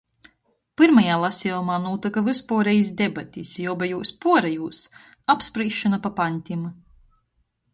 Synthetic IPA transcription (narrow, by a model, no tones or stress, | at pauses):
pɨɾmajaːlˠasʲɛumaːnuːt̪ɨkavɨspuɔɾɛjis̬d̪ebat̪ʲisjɔɔbajuːspuɔɾɛjuːs | apspɾiːʃːanapapanʲt̪ʲim